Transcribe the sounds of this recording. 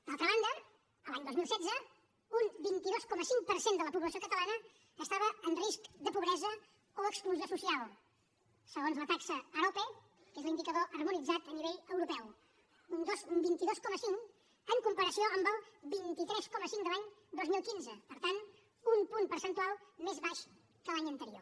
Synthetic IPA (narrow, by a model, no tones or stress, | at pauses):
d̪alˠt̪ɾəβand̪ə | əlaɲd̪ozmilˠsɛd̪d͡zə | umbint̪iðoskɔməsiŋpəɾsend̪ələpuβləsiokət̪əlanəː | st̪aβəənriskd̪əpuβɾɛzə | oəkskluziosusialˠ | səɣonzlət̪aksəəɾope | kezlind̪ikəðoʔərmunid͡zat̪əniβeʎəwɾupɛw | und̪osumbint̪iðoskɔməsiŋk | əŋkumpəɾəsioəmbəlˠbint̪it̪ɾɛskɔməsiŋd̪əlaɲd̪ozmilˠkinzəpəɾt̪an | umpunpəɾsənt̪ualˠmezβaʃ | kəlaɲənt̪əɾio